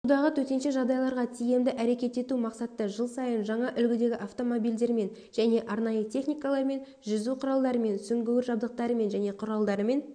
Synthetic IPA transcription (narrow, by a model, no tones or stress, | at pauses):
ʊd̪ɑʁət̪ʰɵt̪e̞nʃeʒɑʁd̪ɑjɑlˠɑɾʁɑt̪ʰije̞md̪ɪʔæɾe̞kʲe̞t̪e̞t̪umɑqsɑt̪ːəʒəlˠsɑjənʒɑɴɑʔʏlɡʲɪd̪e̞ɡʲɪʔaft̪o̞mo̞bijld̪e̞ɾme̞n | ʒ̥æne̞ʔɑɾnɑjət̪ʲʰe̞χnijkɑlˠɑɾme̞n | ʒʏzuqʰʊɾɑlˠd̪ɑɾəme̞nsʏŋɡʲewɪɾʒɑb̚d̪əq̚t̪ɑɾəme̞nʒæne̞qʰʊɾɑlˠd̪ɑɾəme̞n